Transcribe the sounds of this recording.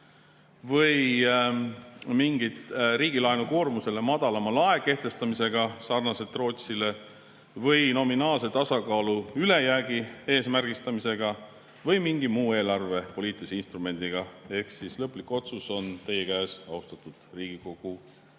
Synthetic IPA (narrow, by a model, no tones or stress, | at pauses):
vɤj | miŋɡit̪ɾiːɡilɑenuko̞ːrmuse̞le̞mɑd̪̥ɑlɑmɑlɑe̞ke̞ht̪e̞st̪ɑmise̞ɡ̥ɑsɑrnɑse̞t̪ːˑro̞ːt̪sile̞ | vɤjno̞minɑːlse̞t̪ɑsɑkɑːluyle̞jæːɡie̞ːsmærɡ̥ist̪ɑmise̞ɡ̥ɑ | vɤjmiŋɡimuːe̞ːlɑrve̞po̞liːt̪ˑilisinst̪rume̞nd̪̥iɡ̥ɑe̞hksislɤpːˑlikːˑo̞t̪suso̞nt̪e̞jekæːsɑust̪ɑt̪ːˑud̪̥riːɡ̥iko̞ɡ̥u